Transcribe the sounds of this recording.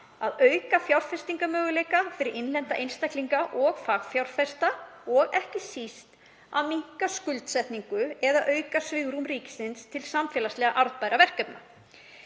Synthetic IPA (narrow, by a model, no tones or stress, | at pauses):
aðœːɥkafjawɾfɛst̪iŋkamœːɣʏleːjkafɪɾɪɾɪnlɛnt̪aʔejnst̪ajkliŋkaʔɔɣfaɣfjawɾ̥fɛst̪aɔɣɛhcɪsist̪ | aðmiŋ̥kaskʏlt̪sɛht̪niŋkʏɛðaʔœːɥkasvɪɣɾumɾiːcɪ̥sɪnst̪ʰɪlsamfɛːlaslɛɣaʔaɾt̪paːjɾavɛr̥kcœpna